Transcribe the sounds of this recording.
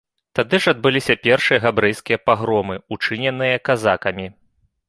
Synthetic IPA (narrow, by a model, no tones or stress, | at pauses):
t̪ad̪ɨʐɐd̪̚bɨlʲisʲɐpʲɛrʂɨjɐɣabɾɛjskʲijɐpaɣɾɔmɨut͡ʂɨnʲɛnɨjɐkazakɐmʲi